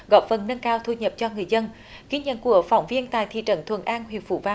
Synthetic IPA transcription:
ɣɔ̰˧˨˩p̚fə˨˩nːə˧nkaː˧wt̪ʰu˧˩ɲə˨˩p̚t͡ɕɔ˧ŋɨ˨˩əjzə˧n | ɣi˧˥ɲə̰˧˨nku˧˩əfɔ˨˧˩wŋ͡mvi˧ənt̪a̰ː˧˨jt̪ʰḭ˧˨t͡ɕə̰˧˩nt̪ʰwə̰˨˧˩nʔaː˧nhwi˨˩əp̚fṵ˧˩vaː˧

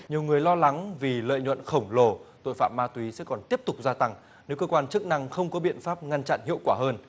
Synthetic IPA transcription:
ɲi˨˩əwŋɨ˨˩əjlɔ˧la˨˦ŋvi˨˩lə̰ː˧˨jɲwə̰˧˨nxə˧˩wŋ͡mlo˨˩t̪o̰˧˨jfa̰ː˧˨mːaː˧t̪wi˨˦sɛ̰˧˥kɔ˨˩nt̪i˦˥əp̚t̪ʊ˨˩k͡p̚zaː˧t̪a˧ŋ | ne˨˦wkəː˧kwaː˧nt͡ɕɨ˦˥k̚na˧ŋxə˧wŋ͡mkɔ˨˦ɓḭ˧˨ənfaː˦˥p̚ŋa˧nt͡ɕa̰˧˨nhḭ˧˨əwkwaː˧˩həː˧n

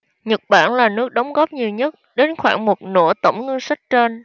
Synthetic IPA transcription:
ɲə˨˩t̚ɓa̰ː˧˩nlaː˨˩nɨ˦˥ək̚ɗɔ˨˦wŋ͡mɣɔ˦˥p̚ɲi˨˩əwɲə˦˥t̚ɗe˨˦nxwaː˧˩ŋmo˨˩t̚no̰˧˩t̪ə̰˧˩wŋ͡mŋə˧ŋsa˦˥k̚t͡ɕe˧n

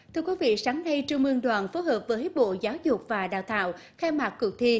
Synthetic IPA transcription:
t̪ʰɨ˧əkwi˨˦vḭ˧˨saː˨˦ŋna˧jt͡ɕɨ˧əŋmɨ˧əŋɗwaː˨˩nfo˨˦həː˨˩p̚vəː˨˦jɓo̰˧˨zaː˨˦wzʊ˨˩k͡p̚vaː˨˩ɗa̰ː˧˨wt̪a̰ː˧˨w | xɛ˧maː˨˩k̚kʊ˨˩k̚t̪ʰi˧

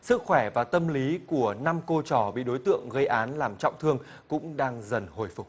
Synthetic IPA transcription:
sɨ˦˥k̚xwɛ˧˩vaː˨˩t̪ə˧mli˨˦ku˧˩əna˧mko˧t͡ɕɔ˧˩ɓḭ˧˨ɗo˨˦jt̪ɨ̰˧˨əŋɣə˧jʔaː˨˦nlaː˨˩mt͡ɕɔ̰˧˨wŋ͡mt̪ʰɨ˧əŋ | kʊ̰˧˥ŋ͡mɗaː˧ŋzə˨˩nho˨˩jfʊ˨˩k͡p̚

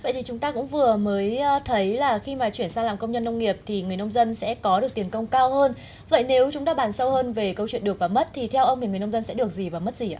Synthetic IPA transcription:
və̰˧˨jt̪ʰi˨˩t͡ɕʊ˨˦ŋ͡mt̪aː˧kʊ̰˧˥ŋ͡mvɨ˨˩əməː˨˦jt̪ʰə˨˦jlaː˨˩xi˧maː˨˩t͡ɕwi˧˩ənsaː˧ŋlaː˨˩mkə˧wŋ͡mɲə˧nːə˧wŋ͡mŋi˨˩əp̚t̪ʰi˨˩ŋɨ˨˩əjnə˧wŋ͡mzə˧nsɛ̰˧˥kɔ˨˦ɗɨ˨˩ək̚t̪i˨˩ənkə˧wŋ͡mkaː˧whəː˧n | və̰˧˨jne˨˦wt͡ɕʊ˨˦ŋ͡mt̪aː˧ɓaː˨˩nsə˧whəː˧nve˨˩kə˧wt͡ɕwi˧˨ənɗɨ˨˩ək̚vaː˨˩mə˦˥t̚t̪ʰi˨˩t̪ʰɛ˧wʔə˧wŋ͡mt̪ʰi˨˩ŋ˨˩jnə˧wŋ͡mzə˧nsɛ̰˧˥ɗɨ˨˩ək̚zi˨˩vaː˨˩mə˦˥t̚zi˨˩ʔaː˧

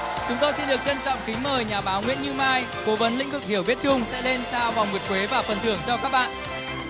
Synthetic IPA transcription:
t͡ɕʊ˨˦ŋ͡mt̪o˧jsi˧nɗɨ˨˩ək̚zə˧nt͡ɕɔ̰˧˨wŋ͡mkï˨˦ŋ̟məː˨˩jɲaː˨˩ɓaː˨˦wŋwḭ˧˥ənɲɨ˧maː˧j | ko˨˦və˨˦nlḭ˧˥ŋ̟vɨ˨˩k̚hi˧˩əwvi˦˥ət̚t͡ɕʊ˧ŋ͡msɛ̰˧˥le˧nzaː˧va˨˩wŋ͡mmɨ˨˩ət̚kwe˨˦vaː˨˩fə˨˩nt̪ʰɨ˧˩əŋzɔ˧kaː˦˥k̚ɓa̰ː˧˨nʔ

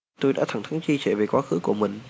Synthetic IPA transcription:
t̪o˧jɗa̰ː˧˥t̪ʰa˧˩ŋt̪ʰa˨˦ŋt͡ɕi˧t͡ɕe˧˩ve˨˩kwaː˨˥xɨ˨˦ku˧˩əmï˨˩ŋ̟

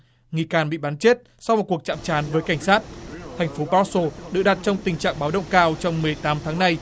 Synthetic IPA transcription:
ŋi˨˧˩kaː˨˩nɓḭ˧˨ɓaː˨˦nt͡ɕe˦˥t̚ | sɔ˧wŋ͡mt̚ku˨˩ək̚t͡ɕa̰ː˧˨mt͡ɕaː˨˦nvəː˨˦jka˧˩jŋ̟saː˦˥t̚t̪ʰɛ˨˩jŋ̟fo˨˦ɓa˦˥so˧ɗɨ̰˨˧˨ɗa˨˩t̚t͡ɕɔ˧wŋ͡mt̪ï˨˩ŋ̟t͡ɕa̰ː˧˨ŋɓaː˨˦wɗə̰˧˨wŋ͡mkaː˧wt͡ɕɔ˧wŋ͡mmɨ˨˩əjt̪aː˨˦mt̪ʰaː˨˦ŋna˧j

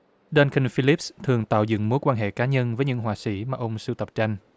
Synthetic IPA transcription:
ɗa˧nkə˧nfi˧li˦˥p̚st̪ʰɨ˨˩əŋt̪a̰ː˧˨wzɨ̰˧˨ŋmo˨˦jkwaː˧nɦḛ˧˨kaː˨˦ɲə˧nvəː˨˦jɲɨ̰˧˥ŋɦwaː˨˩sḭ˧˥maː˨˩ʔə˧wŋ͡msɨ˧t̪ə˨˩p̚t͡ɕa˧jŋ̟

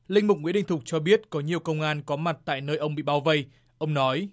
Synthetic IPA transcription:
lï˧ŋ̟mʊ˨˩k͡p̚ŋwi˨˥˦ɗï˧˨ŋ̟t̪ʰk͡p̚t͡ɕɔ˧ɓi˦˥ət̚kɔ˨˦ɲi˨˩əwkə˧wŋ͡mʔaː˧nkɔ˨˦ma˨˩t̚t̪a̰ː˧˨jnəː˧jʔə˧wŋ͡mɓḭ˧˨ɓaː˨˦wvə˧˩j | ʔə˧wŋ͡mnɔ˨˦j

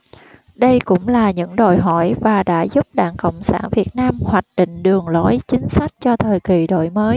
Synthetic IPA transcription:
ɗə˧jkʊ̰˧˥ŋ͡mlaː˨˩ɲɨ̰˧˥ŋɗo̰˧˨jɦɔ˧˩jvaː˨˩ɗa̰ː˧˥zʊ˦˥p̚ɗa̰ː˧˨ŋkə̰˧˨wŋ͡msa̰ː˧˩nvi˨˩ət̚naː˧mhwaː˨˩k̟̚ɗḭ̈˧˨ŋ̟ɗɨ˨˩əŋlo˨˦jt͡ɕï˨˦ŋ̟sa˦˥jk̟̚t͡ɕɔ˧t̪ʰəː˨˩jki˨˩ɗo̰˧˨jməː˨˦j

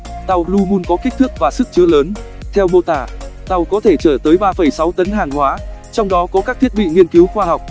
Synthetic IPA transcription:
t̪a˨˩wlu˧ɓu˧nkɔ˨˦ki˦˥k̟̚t̪ʰɨ˦˥k̚vaː˨˩sɨ˦˥k̚t͡ɕɨ˨˦ələː˨˦n | t̪ʰɛ˧wɓo˧t̪aː˧˩t̪a˨˩wkɔ˨˦t̪ʰe˧˩t͡ɕəː˧˩t̪əː˨˦jɓaː˧fə˧˩jsa˨˦wt̪ə˨˦nɦaː˨˩ŋhwaː˨˦t͡ɕɔ˧wŋ͡mɗɔ˨˦kɔ˨˦kaː˦˥k̚t̪ʰi˦˥əɓḭ˧˨ŋi˧ənki˨˦wxwaː˧ha˨˩wk͡p̚

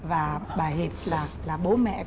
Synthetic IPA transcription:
vaː˨˩ɓaː˨˩jɦe˨˩p̚laː˨˩laː˨˩ɓo˨˦mɛ̰˧˨

